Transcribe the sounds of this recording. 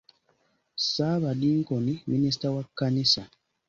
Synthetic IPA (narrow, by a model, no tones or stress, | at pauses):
sabadiŋ̩kɔniminis̬tawakanisa